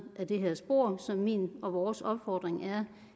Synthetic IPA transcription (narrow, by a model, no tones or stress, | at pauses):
ʔæd̥e̝ɦæsb̥o̝ɐ̰sɒ̽mːḭːnɒ̽ʋɒːsɒ̽b̥fɒ̰ːd̥ʁeŋæɐ